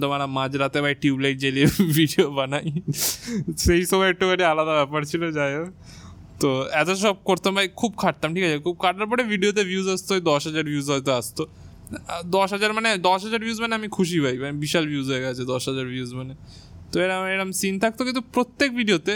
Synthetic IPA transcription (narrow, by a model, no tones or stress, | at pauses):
t̪omanamãd͡ʑɾat̪ebajʈiublejʈ̚d͡ʑelebʱiɖiobanaj | ʃejʃɔbajʈukaʈialad̪abɛpaɾt͡ɕʰilod͡ʑajo | t̪oɛt̪oʃ̬ɔb̚koɾt̪obʱajkʰub̚kʰaʈ̚t̪amʈʰikat͡ɕʰekʰub̚kʰaʈaɾp̬ɔɽebʱiɖiot̪̬ebʱjuzast̪od̪ɔʃɦad͡ʑaɾbʱjuzɦoet̪̬oast̪o | d̪ɔʃɦad͡ʑaɾmaned̪ɔʃɦad͡ʑaɾbjuːzmaneamikʰuʃ̬ibʱajmanebiʃalbʱjuzɦoeɡat͡ɕʰed̪ɔʃɦad͡ʑaɾbʱjiuzmane | t̪oeɾameɾamsint̪ʰak̚t̪ok̬ĩnt̪upɾot̪ːek̚bʱiɖiot̪e